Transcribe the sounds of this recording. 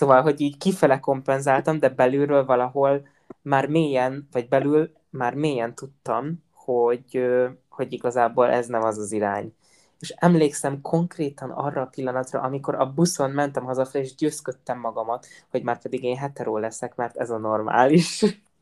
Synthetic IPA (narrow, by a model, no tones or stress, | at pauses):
sovɒlɦo̞ɟiːɟkifɛlɛko̞mpɛnzaːlt̪ɒmd̪ɛbɛlyɾøːlvɒlɒɦo̞l | maːrmeːjɛnvɒɟbɛlyl | maːrmeːjɛnt̪ut̪ːɒm | ho̞ɟøho̞ɟiɡɒzaːboːlʔɛznɛmɒzɒziɾa̰ːɲ | eːʃɛmleːksɛmkʰo̞ŋkreːt̪ɒnɒ̰rːɒːpilːɒnɒt̪rɒ̰ʔɒmiko̞ɾɒbuso̞nmɛnt̪ɛmɦɒzɒfɛeːʒɟøːskøt̪ːɛmːɒɡɒmɒt̪ | ho̞ɟmaːrpɛd̪iɡeːnɦɛt̪ɛɾoːlɛsɛkmɛrt̪ɛzɒno̞rma̰ːliʃ